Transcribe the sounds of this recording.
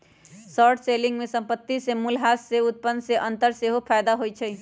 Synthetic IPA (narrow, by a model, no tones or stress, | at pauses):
sɔɾʈʰseliŋɡmesəmpət̪ːisemulɦasːeut̪̚pənseʔənt̪əɾseɦopʰajd̪aɦojt͡ʃʰɛj